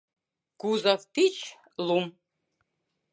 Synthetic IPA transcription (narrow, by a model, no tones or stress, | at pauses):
kuzaft̪it͡ʃ | lum